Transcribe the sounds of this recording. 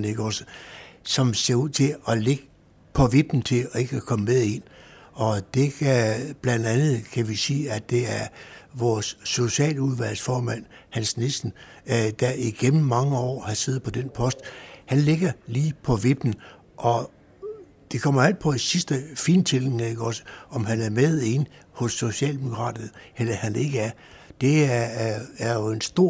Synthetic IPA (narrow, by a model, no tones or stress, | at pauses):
ne̝ɡ̥əɒ̽səsɒ̽mse̝ɐuð̰ˠt͡sʰe̝ɒ̽le̝ɡ̥ə | pʰɒ̽ʋe̝b̥n̩t͡sʰe̝ɒe̝ɡ̥kʰɒ̽məmeðˠe̝nɒ̽d̥e̝kʰb̥lænd̥ænð̞̩ˠkʰæʋisiːæd̥e̝æɐʋɒːsːo̝ɕɛ̰ːluðˠʋæl̰sfɒːmæn̰hænsnesn̩ | d̥æiɡ̥emm̩ːɑ̈ŋəɒ̰ːhɑ̈se̝ːð̩ˠpʰɒ̽d̥enpʰɒ̽sd̥hænle̝ɡ̥ɐliːpʰɒ̽ʋe̝b̥n̩ | ʔɒ̽ | d̥e̝kʰɒ̽m̰ɐæl̰d̥̚pʰɒ̽isisd̥əfiːnt͡sʰe̝l̩keɡ̥ɒ̽sə̥ɒ̽mɦænæɐmeðˠenhɔ̽sːo̝ɕɛ̰ːld̥e̝mo̝kʰʁɑ̰ːd̥ɐð̩ˠhel̰ɐhæne̝ɡ̥əæɐ | d̥e̝æː | ɐjo̝e̝nsd̥o̝ɐ̰